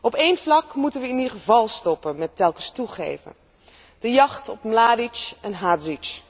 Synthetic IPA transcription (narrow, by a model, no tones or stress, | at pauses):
ɔpejnvlɑkmutənʋəɪnidχəvɑlˠstɔpənmɛtɛlˠkəstuχḛjvə̰n | d̥əjɑχtɔpmlaːdit͡ʃɛnɦaːdzit͡ʃ